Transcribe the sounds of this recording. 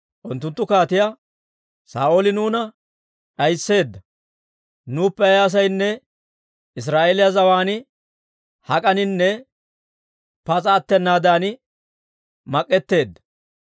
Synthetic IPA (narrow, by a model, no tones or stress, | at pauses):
ʔʊnt̪ːʊnt̪ːʊkaːt̪ɪja | sa̰ːʔolɪnuːnɐ | ᶑɐjsːe̞ːd̪ːɐ | nuːpːɛɐjːs̬ɐjnːɛ | ɪs̬ɾaːʔeːlɪjaɐzɐwaːnɪ | hɐkʼɐnɪnːɛ | pɐt͡sʼɐːt̪ːɛnːaːd̪aːnɪ | mɐkʼːɛt̪ːe̞ːd̪ːɐ